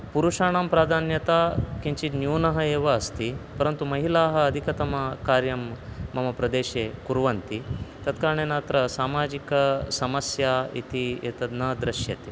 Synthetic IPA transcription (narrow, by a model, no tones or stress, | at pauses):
puɾuʃaːɳaːmpɾaːd̪ʱaːnjɐt̪aːkiɲt͡ʃinjuːnɐɦɐeːʋɐːst̪ipɐɾɐnt̪umɐɦilaːɦɐːd̪ʱikɐt̪ɐmɐkaːɾjɐmːɐmɐpɾɐd̪eːʃeːkuɾʋɐnt̪it̪ɐt̪kaːɾɐɳeːnaːt̪ɾɐsaːmaːd͡ʒikɐsɐmɐsjaːḭt̪iḛːt̪ɐd̪nɐd̪ɾɐʃjɐt̪e